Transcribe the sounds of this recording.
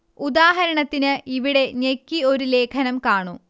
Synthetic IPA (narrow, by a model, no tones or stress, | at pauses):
ud̪aːɦɐɾɐɳɐt̪ːinɨʔiʋiɽe̞ɲekːio̞ɾule̞ːkʰɐnɐmkaːɳu